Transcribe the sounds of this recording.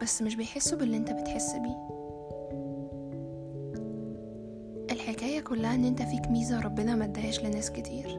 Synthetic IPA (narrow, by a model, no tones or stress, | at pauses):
b̥æsːmeʃ̬bejħesːubelːiʔent̪æbet̪ħesːbiː | ʔelħekæːjækolːæhæʔenːʔent̪æfiːkmiːzæɾˤɑbːenɑmæd̪ːæʕeːʃlenæːsket̪ʰiːɾ